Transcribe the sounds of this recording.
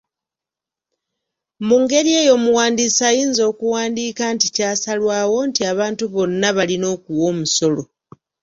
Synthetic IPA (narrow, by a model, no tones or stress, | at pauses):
muːŋɡe̞ɾie̞ːjo̞muwaːndisajiːnzo̞ːkuwaːndiːkanticaːsalwaːwo̞ntiaβaːntuβo̞nːaβalino̞ːkuwo̞ːmuso̞lo̞